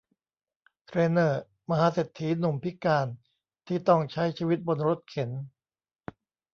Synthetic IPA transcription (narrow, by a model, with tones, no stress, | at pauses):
t̪ʰɾeː˧nɤː˧˩ | ma˧ɦaː˨˦se˨˩t̪ʰːiː˩˦nu˨˩mpʰi˦˥kaː˧n | t̪ʰiː˥˩t̪ɔ˥˩ŋt͡ɕʰa˦˥jt͡ɕʰiː˧wi˦˥t̪̚bo˧nɾo˦˥t̪̚kʰe˩˦n